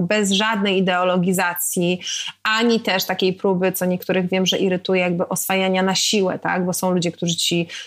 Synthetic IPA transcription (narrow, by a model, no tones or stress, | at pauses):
bɛzʐad̪̚nɛjid̪ɛɔlɔɡʲizat̪sʲjiaɲit̪ɛʂt̪akʲejpɾubɘt̪sɔɲɛkt̪uɾɘɣvʲjɛmʐɛʔiɾɘt̪ujɛjaɡbɘʔɔsfajaɲanaɕiwɛ̰t̪a̰ɡbɔsɔ̃w̃lud͡ʑɛk̚t̪uʐɘt͡ɕi